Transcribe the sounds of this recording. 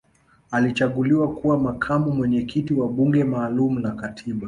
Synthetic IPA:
alit͡ʃaɠuliwakuwamakʰamumwɛɲɛkʰitiwaɓuŋɡɛmaːlumunakatʰiɓa

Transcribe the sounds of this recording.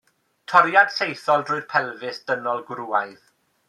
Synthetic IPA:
tʰɔɾjad̥sejθɔlˠdrʊɨr̥pʰɛlˠvɨsd̥ənɔlˠɡɾuːajð

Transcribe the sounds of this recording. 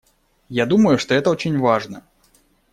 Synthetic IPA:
jad̪uməjuʂt̪ɔɛt̪əɔt͡ɕʲɪnʲvaʐnɐ

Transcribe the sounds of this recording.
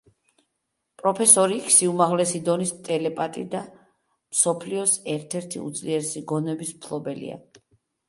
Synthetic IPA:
pʼɾɔpʰɛsɔɾikʰsiumaʁlɛsid̪ɔnist̪ʼɛlɛpʼat̪ʼḭd̪a | msɔpʰliɔsɛɾt̪ʰɛɾt̪ʰḭṵd̪sʼliɛɾsiɡɔnɛbismpʰlˠɔbɛlḭa̰

